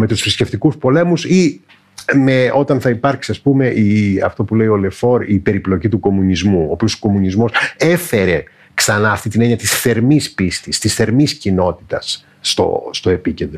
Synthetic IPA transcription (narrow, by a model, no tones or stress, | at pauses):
me̞t̪usfɾisce̞ft̪ikuspo̞le̞musi | me̞o̞t̪ɐnθɐipɐɾksiɐspume̞ʔiɐ̰ft̪o̞pule̞io̞le̞fo̞ɾipe̞ɾiplo̞cit̪uko̞munizmuo̞ːpiosoko̞munizmo̞se̞fe̞ɾe̞ | ksɐnɐːft̪it̪ineɲiɐt̪isθe̞ɾmispist̪ist̪isθe̞ɾmiscino̞t̪i̥t̪ɐsː | t̪o̞̰st̪o̞e̞pice̞nd̪ɾo